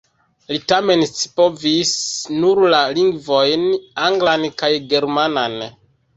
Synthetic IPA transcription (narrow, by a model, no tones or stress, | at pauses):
litame̞nsi̥po̞visnuɾlaliŋɡvo̞jnaŋɡlankajɡe̞ɾmanan